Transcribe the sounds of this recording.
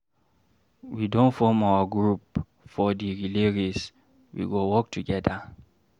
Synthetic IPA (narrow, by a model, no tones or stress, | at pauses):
widõnfɔmawaɡɹup | fɔdiɹileɹis | wḭɡowɔk̚tuɡɛda